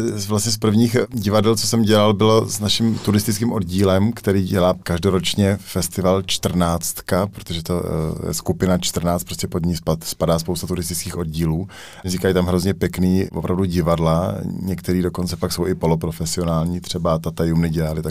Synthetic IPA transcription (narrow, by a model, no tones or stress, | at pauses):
vlast̪ɲɛs̬pr̩vɲiːxɟɪvadɛlt͡sosɛmɟɛlalbɪlo̞snaʃɪmt̪uɾɪst̪ɪt͡skiːmʔo̞dɟiːlɛmkt̪ɛɾiːɟɛlaːkaʒdoɾot͡ʃɲɛfɛst̪ɪvalt͡ʃt̪r̩naːt͡st̪kapɾot̪oʒɛt̪o̞jɛ̰skupɪnat͡ʃt̪r̩naːt͡st̪pɾoscɛpod̪ɲijspat̪spadaːspo̞wst̪at̪uɾɪst̪ɪt͡skiːxʔo̞dɟiːluː | zɲɪkajiːt̪amɦɾo̞zɲɛpjɛkniːvopɾʔavduɟɪvadlaɲɛkt̪ɛɾiːdo̞ko̞nt͡sɛpakso̞wɪpo̞lopɾo̞fɛsɪo̞naːlɲiːt̪r̝̥ɛbat̪at̪ajumnɪɟɛlalɪt̪a